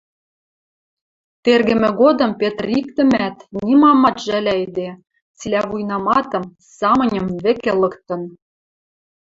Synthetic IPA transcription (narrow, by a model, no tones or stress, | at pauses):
t̪erɣɘ̆mɘ̆ɣod̪ɤ̆mpet̪rik̚t̪ɘ̆mæt̪nʲimɑmɑt̪ʒælʲæid̪e | t͡silʲæβujnɑmɑt̪ɤ̆m | sɑmɤ̆nʲɤ̆mβɘ̆kelɤ̆kt̪ɤ̆n